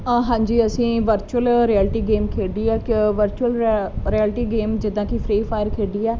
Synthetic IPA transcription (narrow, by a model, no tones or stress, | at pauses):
ɦãːɲd͡ʒiːəsĩːʋəɾt͡ʃuəlɾiɛːlʈiːɡeːmkʰeːɖiːɛːkʋəɾt͡ʃuəlɾiɛːlʈiːɡeːmd͡ʒɪd̪ãːkipʰɾiːpʰaːɪjəɾkʰeːɖiːɛː